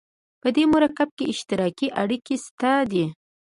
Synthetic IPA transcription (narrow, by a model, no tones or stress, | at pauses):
pəd̪emʊɾakab̚keɪʃt̪ɪɾɑkiʔaɽikest̪ad̪i